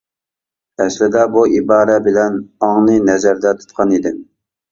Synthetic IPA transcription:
ɛslɪd̪ɛbuibɑːɾɛbɪlɛnɑŋnɨnɛzæɾd̪ɛt̪ʰu̥t̪̚qʰɑnid̪ɪm

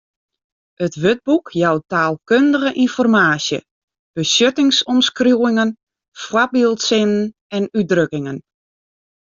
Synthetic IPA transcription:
ətʋød̚bukjawtaːlˠkøndəɣəʔinfɔrmaːsjə̰ | b̥əsøtɪŋsɔmskrjuːɪŋən | fwabilˠtsɪnən | ɛnydrøkɪŋən

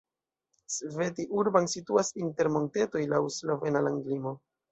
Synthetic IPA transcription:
sve̞tiʔuɾbansituasinte̞ɾmo̞nte̞to̞jlawslo̞ve̞nalaŋɡlimo̞

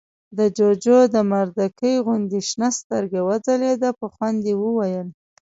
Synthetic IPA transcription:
d̪əd͡ʒod͡ʒod̪əmaɾd̪akəjɣʊnd̪iʃnast̪əɾɡawad͡zaled̪apəxwand̪ewəwajəl

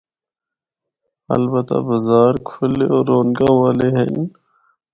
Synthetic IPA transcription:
ɐ̰lbət̪a̰bɐzɑːɾkʰuleoːɾoːnɡaːwaːleɦḛn

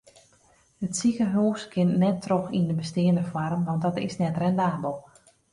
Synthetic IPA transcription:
ətsikəɦuːskʰɪnnɛtʰːroxindəbəstɪənəfwɔrmʋɑnt̚dɔtɪ̰snɛtrɛndaːbəlˠ

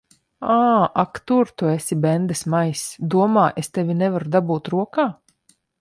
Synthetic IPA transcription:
aːakt̪uɾt̪uesʲibɛnd̪ɨsmajsd̪uɔmaːʔest̪ɛvʲinɛvaɾud̪abuːt̪ɾuɔkaː

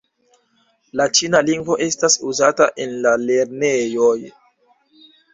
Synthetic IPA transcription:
lat͡ʃinaliŋɡvo̞ʔe̞stasuzataʔe̞nlale̞ɾne̞jo̞j

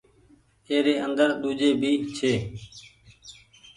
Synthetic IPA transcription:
eːɾeːənd̪əɾɗ̪uːd͡ʒeːbʱiːt͡ʃʰeː

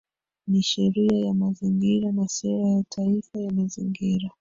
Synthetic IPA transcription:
niʃɛɾiajamaziŋɡiɾanasɛɾajatʰaifajamaziŋɡiɾa

